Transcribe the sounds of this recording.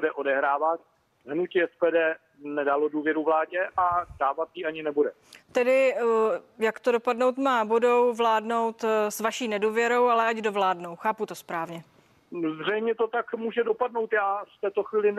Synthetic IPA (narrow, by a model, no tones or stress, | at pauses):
dɛʔo̞dɛɦɾaːvat̪̚ | ɦnucɪɛspɛːdɛː | nɛdaloduːvjɛɾuvlaːɟɛʔadaːvat̪jiʔaɲɪnɛbudɛ | t̪ɛdɪ | jakt̪odo̞padno̞wt̪maːbudowvlaːdno̞wt̪svaʃiːnɛduːvjɛɾo̞walɛaɟdo̞vlaːdno̞wxaːput̪o̞spɾaːvɲɛ | zr̝ɛjmɲɛt̪ot̪akmuːʒɛdo̞padno̞wt̪jaːft̪ɛːt̪oxviːlɪ